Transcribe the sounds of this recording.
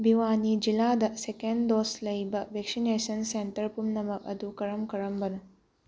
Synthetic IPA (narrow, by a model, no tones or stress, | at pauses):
biwanid͡ʒiladɐsekendoslɐjbɐbʱek̚sinesɐnsentɐɾpumnɐmɐk̚ɐ̰dukɐɾɐmkɐɾɐmbɐnu